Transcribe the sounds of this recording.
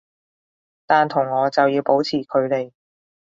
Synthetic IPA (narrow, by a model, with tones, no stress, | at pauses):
t̪aː˨nt̪ʰʊ˨˩ŋːɔː˨˧t͡sɐ˨wjiː˧wpo˨˥wt͡sʰiː˨˩kʰɵ˨˧ɥle˨˩j